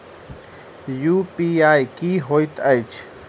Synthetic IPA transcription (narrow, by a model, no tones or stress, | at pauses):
jupiajkiɦojt̪ajt͡ʃʰ